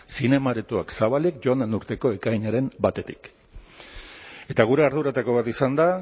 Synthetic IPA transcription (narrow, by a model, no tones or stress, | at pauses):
sine̞maɾet̪uaksaβalikʝo̞and̪enuɾt̪e̞ko̞e̞kaiɲaɾe̞mbat̪e̞t̪i̥k | e̞t̪aɣ̞uɾe̞aɾðuɾat̪ako̞β̞at̪isand̪a